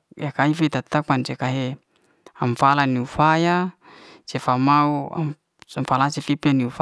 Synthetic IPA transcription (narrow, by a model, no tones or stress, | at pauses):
jakaifet̪at̪akmant͡ʃekaɦe | aɱfalaniufaja | t͡ʃefamaua̰ | mfalasefipianiuf